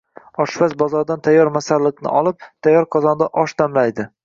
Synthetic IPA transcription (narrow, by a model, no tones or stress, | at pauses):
ɒʃvasbɒzɒɾd̪ant̪ʰajːɒɾmasaɾlɪknɪ̰ʔɒlˠɪp̚t̪ʰajːɒɾqʰɒzɒnd̪aʔɒʃt̪ʰamlajd̪ɪ